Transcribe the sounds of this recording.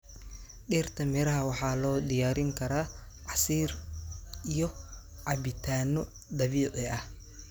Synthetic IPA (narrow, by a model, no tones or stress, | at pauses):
ɗiːrt̪ʰɐmɛɾɐɦɐwɑħɑːlɔːd̪ɪjaːɾɪŋkʰɐɾaː | ʕɑsiːr | ijɔ | ʕɑbɪt̪ʰaːnɔ | d̪ɐβiːʔɛɐh